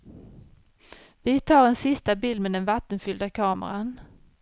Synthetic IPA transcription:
vɪt̪ʰɑːɾɛnsɪst̪abiːld̪mɛd̪ɛnvat̪ːənfʏld̪akʰɑːmə̰ɾan

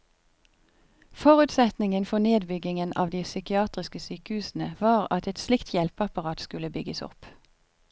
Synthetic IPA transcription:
fɔʁʉːt̪sɛt̪nɪŋənfɔneːd̪bʏɡɪŋənɑ̰ːʋd̪iːsʏkɪɑːt̪ʁɪskəsyːkəhʉːsn̩əʋɑːʁɑt̪ɛt̪slɪkt̪ʰjɛlpɑpɑʁɑːt̪skʉləbʏɡəsɔ̰p

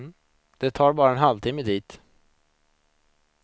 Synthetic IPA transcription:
d̪̥ɛt̪ʰɑːɾbɑːɾaɛnɦalvt̪ʰɪmːəd̪iːt̪

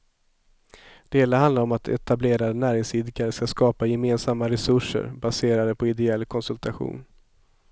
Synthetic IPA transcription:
d̪̥ɛjɛlːəɾɦand̪laɾɔmat̪ʰɛ̰t̪ableːɾad̪ənæːɾɪŋsɪd̪ɡaɾəskaskɑːpajɛmeːnsamːaɾɛsɵʂːə̰ɾbaseːɾad̪əpʰɔɪd̪ɛɛlːkʰɔnsɵlt̪ʰaɧṵːn

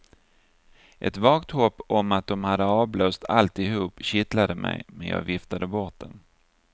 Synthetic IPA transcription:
ʔɛt̪vɑːkt̪hɔpːɔmat̪̚d̪ɔmhad̪ːəɑːvbløːst̪ʰa̰lt̪ɪɦuːpɕɪt̪lad̪əmʔɛ̰jmɛnjɑ̰ːɡvɪft̪ad̪əbɔʈ̚d̪ɛn

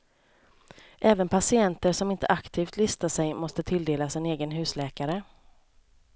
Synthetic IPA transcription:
ʔɛːvənpʰasɪɛnt̪əʂɔmɪnt̪ə̰ʔakt̪ʰiːft̪ʰlɪst̪aʂɛjmɔst̪ət̪ʰɪld̪eːlasɪneːɡənɦʉ̟ːslɛːkaɾə

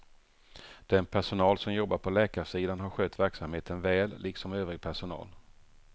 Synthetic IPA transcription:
d̪̥ɛnpʰæʂʊnɑːlsɔmjɔbːaɾpʰɔlɛːkaʂiːd̪anɦaɾɧøːt̪væɾksamheːt̪ənvɛːlːʔɪksɔmøːvɾɪɡ̚pʰæʂʊnɑ̰ːl

